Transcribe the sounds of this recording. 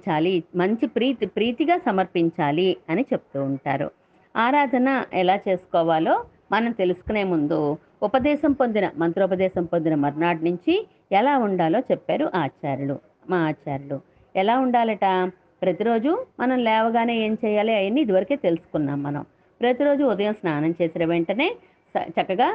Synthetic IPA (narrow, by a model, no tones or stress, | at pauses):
t͡ʃaːlimɐɲt͡ʃipɾiːt̪ipɾiːt̪iɡaːsɐmɐɾpiɲt͡ʃaːliɐnit͡ʃep̚u̥t̪uːɳʈa̰ːɾṵ | aːɾaːd̪ʱɐnɐɛlaːt͡ʃe̞ːsu̥kɔːʋaːlo̞ː | mɐnɐmt̪e̞lusu̥kuneːmund̪u | upɐd̪ɛːʃɐmpo̞nd̪inɐmɐnt̪ɾoːpɐd̪ɛːʃɐmpond̪inɐmɐɾnaːɖ̚nuɲt͡ʃi | ɛlaːuɳɖaːlo̞ːt͡ʃɛpːaːɾuʔaːt͡ʃaːɾulu | maaːt͡ʃaːɾulu | ɛlaːuɳɖaːlɐʈaː | pɾɐt̪iɾo̞ːd͡ʒumɐnɐmlɛːʋɐɡaːne̞ːe̞ːɲt͡ʃɛːjaːliɐːjɐnːiːd̪iʋɐɾikeːt̪e̞lusu̥kunːa̰ːmːɐnɐ̰m | pɾɐt̪iɾo̞ːd͡ʒuːd̪ɐjɐmsnaːnɐmt͡ʃeːsinɐʋeɳʈɐne̞ː | sɐ̰t͡ʃɐkːɐɡaː